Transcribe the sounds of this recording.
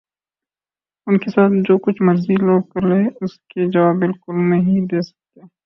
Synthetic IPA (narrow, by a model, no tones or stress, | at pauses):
ʊnkesaːt̪̚ʰd͡ʒoːkʊt͡ʃʰmɐɾziloːɽkɐɾleʊsked͡ʒɐʋaːbːɪlkʊlnɐɦid̪eːsɐ̥k̚t̪eː